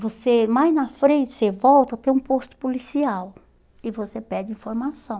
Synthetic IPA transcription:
vosemajznɐfɾẽnt͡ʃɪ̥sevɔwt̪ɐt̪ẽj̃ũpost̪ʊ̥pulisiaw | ɪvosepɛd͡ʒɪĩfoɾmasɐ̃w̃

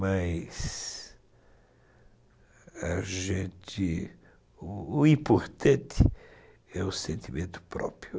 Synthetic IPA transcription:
majs | ɐʒẽnt̪ɪ | ĩpoɾt̪ɐ̃nt̪ʰɪ | ɛʊsẽnt̪imẽnt̪ʊ̥pɾɔ̰pɾjʊ

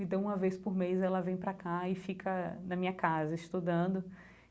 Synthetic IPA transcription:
ẽt̪ɐ̃w̃ũmɐvejspʊɾmejzɛlɐvẽj̃pɾɐkaɪfikɐnɐmĩɲɐkazɐɪʃt̪ud̪ɐ̃d̪ʊ

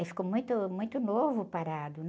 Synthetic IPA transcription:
fi̥kowmũj̃t̪ʊmũj̃t̪ʊnovʊpaɾad̪ʊ

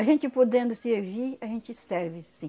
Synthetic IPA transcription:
ɐʒẽnt͡ʃɪpod̪ẽnd̪ʊsɪeviɾɐʒẽnt͡ʃɪsɛɾvɪsĩ

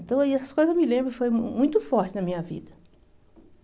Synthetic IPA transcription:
nt̪ɐ̃w̃iɛsɐskojzɐzmilẽmbɾʊɪfojmũj̃t̪ʊfɔɾt͡ʃɪnɐmĩɲɐvḭd̪ɐ

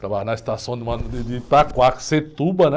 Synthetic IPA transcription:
t̪ɾabaɦnɐist̪asɐ̃w̃d̪ɪmɐ̃nʊd̪ɪd̪ɪt̪akwakset̪ubɐnɛ

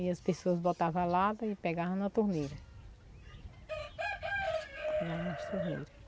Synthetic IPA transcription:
iɐspesoɐzbot̪avalad̪ɐɪpɛɡavɐ̃nɐt̪uɾnejɾɐ | pɛɡavɐ̃ɐst̪uɾnḛjɾɐ

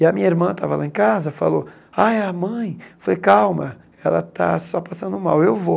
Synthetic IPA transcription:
ɪɐmĩɲɐiɾmɐ̃t̪a̰vɐla̰ẽkazɐfa̰lo | ajɐmɐ̃j̃foejkawmɐ | ɛlɐ̰t̪a̰sɔpasɐ̃nd̪ʊmawewvo

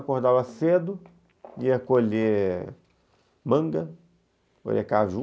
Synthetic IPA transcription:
koɾd̪avɐsed̪ʊ | iɐkoʎe | mɐ̃ŋɡɐ | ko̰ʎekaʒu

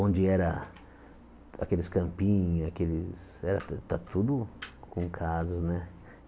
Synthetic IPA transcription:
õnd͡ʒɪɛɾɐ | a̰kelɪskɐ̃mpĩɲakelɪsɛɾɐt̪at̪ud̪ʊkʰõkʰazɐznɛ

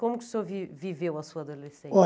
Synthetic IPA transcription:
komuku̥sovivivewɐsuɐðulˠesẽɔ

